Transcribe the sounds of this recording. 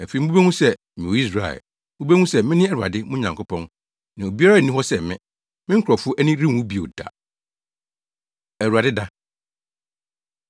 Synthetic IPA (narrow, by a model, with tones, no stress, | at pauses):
æ˨fi˨m̩˦bu˦be˦hũ˦sɛ˦ | mĩ˨o˨i˦s̬ɾa˨ɪ̰˨˦ | bu˦be˦ŋũ˦sɛ˦mɪ̃˦nɪ̃˦ɛ˦ɾu˨a̰˨dɪ˦mʊ̃˦ɲã˨ŋkʰʊ˦pʰɔ̃˦n | nã˨o˨bi˦a˦ɾa˦˨nĩ˦ɦɔ˦sɛ˦˨mɪ̃˦ | mɪ̃˦ŋ̩˦kʰɔ˨fʊ˦ʔæ˦nĩ˦ɾi˦˨wũ˦bi˨o̰˨da̰˨ | æ˨ɾu˨a˨dɪ˦da˦